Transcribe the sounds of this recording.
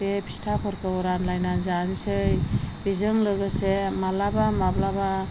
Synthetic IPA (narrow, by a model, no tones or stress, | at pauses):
epʰi̥stʰapʰɔɾkɯɔɾanlajnanzansɯjbizɯŋlɯɡɯsemalabamablaba